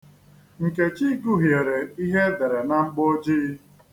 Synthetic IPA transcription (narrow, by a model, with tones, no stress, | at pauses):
ŋ̩˨ke˨t͡ʃi˦ɡu˦ɦje˨ɾe˨i˦ɦe˦de˨ɾe˨na˦ŋ͡m̩˦ɡ͡bo˦d͡ʒi˦